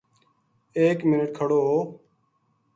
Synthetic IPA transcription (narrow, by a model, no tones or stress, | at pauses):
eːkmɪnəʈ̚kʰəɽoːɦoː